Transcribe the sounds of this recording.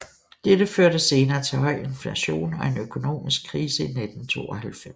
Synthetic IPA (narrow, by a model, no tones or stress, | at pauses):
d̥edəføɐ̰ɾ̥əse̝ːnɐːt͡sʰe̝ɦɒ̽ɪ̰e̝nflæɕo̝̰ːnɒ̽e̝nøkʰo̝no̝̰ːmisɡ̥̚kʰːʁiːsəined̥n̩t͡sʰo̝̰ːɒhælfem̰s